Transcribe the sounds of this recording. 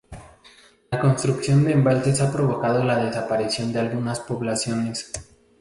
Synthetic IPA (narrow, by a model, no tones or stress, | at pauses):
lako̞nst̪ɾuksjo̞nd̪e̞ːmbalt̪e̞sapɾo̞βo̞kað̞o̞lað̞e̞sapaɾisjo̞nd̪ealɣunaspo̞βlasjo̞ne̞s